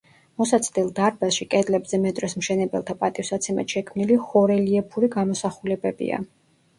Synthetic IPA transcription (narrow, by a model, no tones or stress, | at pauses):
mɔsat̪sʰd̪ilˠd̪aɾbasʃikʼɛd̪lɛbzɛmɛt̪ʼɾɛsmʃɛnɛbɛ̰lˠt̪ʰapʼat̪ʼifsat̪sʰɛma̰t̪ʃɛkʰmniliχɔɾɛliɛpʰuɾiɡamɔsaχulɛbɛbḭa̰